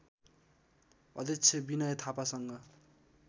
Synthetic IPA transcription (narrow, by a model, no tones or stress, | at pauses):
ʌ̰d̪ʌt͡sʰebinʌjʌt̪ʰapasʌŋɡʌ